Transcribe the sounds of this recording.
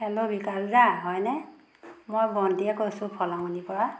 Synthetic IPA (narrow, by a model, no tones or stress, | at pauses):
ɛlobikaɹzaɦɔjnɛ | mojbɔndiɛkojsʊpʰɔlamɔnipɔɹa